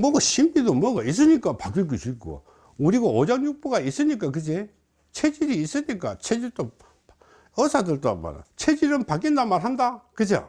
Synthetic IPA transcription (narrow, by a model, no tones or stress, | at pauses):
mʌɡoɕʰimbidomʌɡais̬͈ɯɲik͈apak͈iɭk̬usuik͈̚o̰ | uɾiɡaod͡ʑaŋjuk̚p͈oɡais͈ɯɲik̬͈ak̬ɯd͡ʑe | t͡ɕʰed͡ʑiɾiːs͈ɯɲik͈a̰t͡ɕʰed͡ʑiɭt͈o | ʌsʰadɯɭt͈oma̰ɾa̰t͡ɕʰed͡ʑiɾɯnpak̬͈indamaɾɦandakɯd͡ʑeo̰